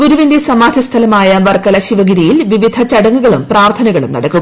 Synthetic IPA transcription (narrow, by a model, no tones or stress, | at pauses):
ɡuɾuʋinde̞sɐmaːd̪ʱjɐst̪ʰɐlɐmaːjɐʋɐrkɐlɐɕiʋɐɡiɾijilʋiʋid̪ʱɐt͡ɕɐɽɐŋːuɣɐɭumpraːrt̪ʰɐnɐɣɐɭumnɐ̰ɽɐkːu